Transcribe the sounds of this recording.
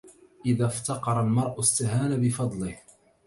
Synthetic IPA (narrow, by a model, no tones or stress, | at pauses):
ʔɪðaːft̪ɑqɑɾˤɑlmɑɾˤʔʊst̪aɦaːnabɪfɑd̪ˤlɪh